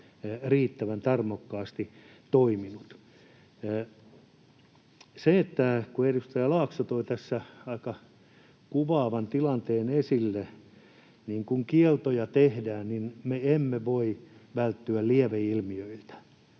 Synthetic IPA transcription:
riːt̪ːæʋænt̪ɑrmokːɑːst̪i | t̪oiminut̪ː | seet̪ːækuerust̪ɑjɑlɑːksot̪oit̪æsːæɑikɑ | kuʋɑːʋɑnt̪ilɑnt̪eːnesilːe | niːŋkuŋkielt̪ojɑt̪ehdæːnninmeemːeʋoiʋælt̪ːyælliɛʋeilmiøilt̪æ̥

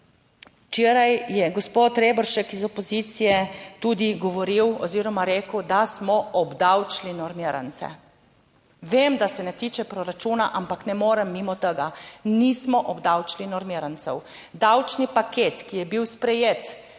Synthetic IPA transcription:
t͡ʃeːɾajjɛɡɔspot̪ɾebɔɾʃɛkizɔpɔzit̪sijɛt̪ud̪iɡɔʋɔɾiwɔziːɾɔmaɾeːkəwd̪asmɔɔbd̪awt͡ʃlinɔɾmiɾa̰nt̪sɛ̰ | ʋemd̪asɛnɛt̪iːt͡ʃɛpɾɔɾat͡ʃuːnaʔampaknɛmoːɾɛmːimɔt̪əɡanismɔʔɔbd̪awt͡ʃlinɔɾmiɾant̪sɛw | d̪awt͡ʃnipakeːt̪kijɛbiwspɾɛjeːt̪

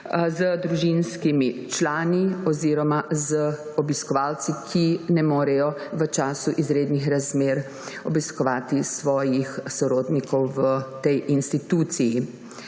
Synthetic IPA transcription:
zəd̪ɾuʒinskimit͡ʃlaːniɔziːɾɔmazəɔbiskɔʋalt̪sikʰinɛmoːɾɛjɔʋət͡ʃaːsuʔizɾeːd̪nixɾazmeːɾ | ɔbiskɔʋaːt̪isʋɔːjixsɔɾoːd̪nikʰɔwʋət̪ɛjʔinst̪it̪uːt̪siji

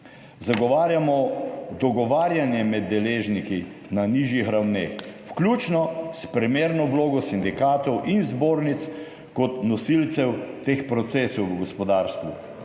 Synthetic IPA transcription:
zaɡɔʋaːɾjamɔd̪ɔɡɔʋaːɾjanjɛmɛd̪ːɛleːʒniki | naniʒjixɾawneːxwklʲuːt͡ʃnɔspɾɛmeːɾnɔwloːɡɔsind̪ikaːt̪ɔwʔinzboːɾnit̪s | kɔt̪nɔsilt̪sɛwt̪expɾɔt̪seːsɔwwəɡɔspɔd̪aːɾst̪ʋṵ

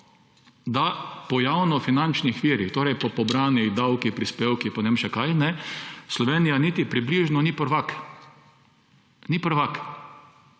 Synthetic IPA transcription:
d̪apɔjawnɔfinant͡ʃnixʋiːɾixt̪oːɾɛjpɔpɔbɾaːnid̪awkipɾispeːwkipɔnɛemʃɛkajnɛslɔʋeːnijanit̪ipɾibliʒnɔnipəɾʋak | nipəɾʋak

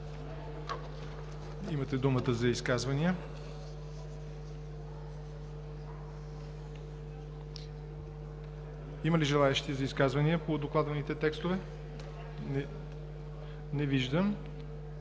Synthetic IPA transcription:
imət̪ɛd̪umət̪əzɐiskazvɐniə | iməliʒɛlˠaɛʃt̪izɐiskazvɐnijəpod̪oklˠad̪vɐnit̪ɛt̪ɛkst̪ovɛ | nɛviʒd̪əm

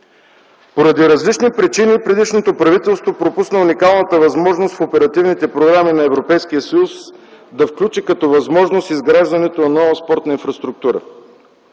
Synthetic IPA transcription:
poɾɐd̪iɾɐzlit͡ʃnipɾit͡ʃinipɾɛd̪iʃnot̪opɾɐvit̪ɛlˠst̪vopɾopusnəunikalˠnət̪əvɐzmɔʒnost̪fopɛɾɐt̪ivnit̪ɛpɾoɡɾaminɐɛvɾopɛjskijəsɐjusd̪ɐfklʲut͡ʃikɐt̪ɔvɐzmɔʒnost̪izɡɾaʒd̪ɐnɛt̪onɐnɔvəspɔɾt̪nəĩnfɾɐst̪ɾuk̚t̪uɾə̰

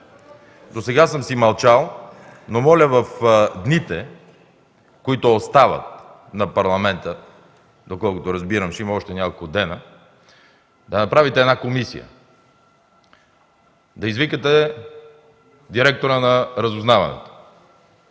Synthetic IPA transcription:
d̪osɛɡasəmsimɐlˠt͡ʃalˠnomɔlʲəvɐfd̪nit̪ɛ | koit̪ʊost̪avə̰t̪̚ | nɐpɐɾlˠɐmɛnt̪ə | d̪okɔlˠkʊt̪oɾɐzbiɾəmʃimɐɔʃt̪ɛnʲakolˠkʊd̪ɛnə | d̪ɐnɐpɾavit̪ɛɛd̪nakomisḭjə̰ | d̪ɐizvikɐt̪ɛ | d̪iɾɛk̚t̪oɾənɐɾɐzʊznavɐ̰nɛ̰t̪o̥

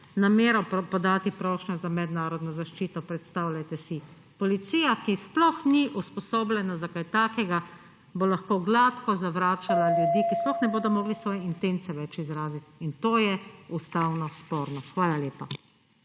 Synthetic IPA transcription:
nameːɾɔpɔd̪aːt̪ipɾɔːʃnazamɛd̪naːɾɔd̪nɔzaʃt͡ʃiːt̪ɔpɾɛt̪st̪awlʲjajt̪ɛsi | pɔlit̪siːjakisplɔxniʔuspɔsoːblʲɛnazakajt̪aːkɛɡa | bolaxkoɡlaːt̪kɔzaʋɾaːt͡ʃalaljud̪iːkisplɔxnɛboːd̪ɔmɔːɡlisʋɔːjɛint̪ent̪sɛʋɛt͡ʃizɾaːzit̪int̪oːjɛust̪awnɔspoːɾnɔxʋaːlalʲjeːpa

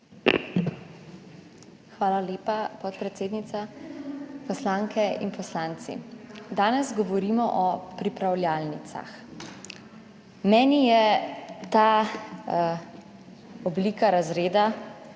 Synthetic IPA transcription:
xʋaːlaleːpapɔt̪pɾɛt̪seːd̪nit̪sa | pɔslaːŋkʰɛḭnpɔslaːnt̪sḭd̪aːnɛzɡɔʋɔɾiːmɔʔɔpɾipɾawljaːlnit̪sa̰x | mɛːnijɛt̪aː | ɔbliːkaɾazɾeːd̪a

